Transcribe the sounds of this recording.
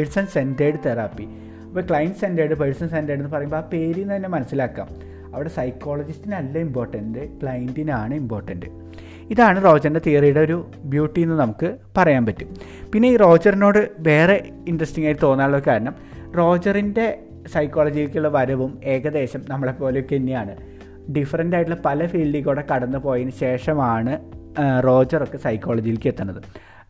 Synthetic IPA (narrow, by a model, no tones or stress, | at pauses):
peɻsɐnse̞ndeːɽɨt̪eraːpːi | ɐpːoːkɭɐjɐnɖɨse̞ndeːɽɨpeɻsɐnsendeːɽenːɨpɐrɐjumbope̞ːɾijnt̪ɐinːe̞mɐnɐsːilaːkːa̰ːm | ɐʋiɽe̞sɐjkːo̞ːɭɐd͡ʑistinɐlːɐimbo̞ːrʈːɐndɨkɭɐjindinaːɳɨimpbo̞ːrʈːɐndɨ | iðaːɳɨro̞ːd͡ʑɐrinde̞t̪iːrijuɽeo̞ɾu | bjuːʈːijenːɨnɐmukːɨpɐrɐjaːnpɐtːum | pinːe̞iːro̞ːd͡ʑɐrinoːɽɨʋe̞ːre̞ | indrɐstiŋːaːjʈːɨt̪o̞ːnːaːɭːokaːɾɐɳɐm | ro̞ːd͡ʑɐrinde̞ | sɐjkːo̞ːɭɐd͡ʑijilkɨuɭːɐʋɐɾɐʋume̞ːɣɐðe̞ːɕɐmnɐmːɐɽepo̞ːleokːenːijaːɳɨ | ɖifɐrɐndaːjʈːɨɭlpɐlɐfiːlɖiɣoːɽe̞kɐɽɐnːɨpo̞ːjinɨɕe̞ːʂɐmaːɳɨro̞ːd͡ʑɐrokːe̞sɐjkːo̞ːɭɐd͡ʑijilkɨet̪ːunːɐðɨ